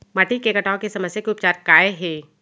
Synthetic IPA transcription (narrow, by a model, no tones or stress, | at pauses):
maʈikekɐʈaːõkesɐməsjakeʊp̚t͡ʃaːɾkaːeɦɛː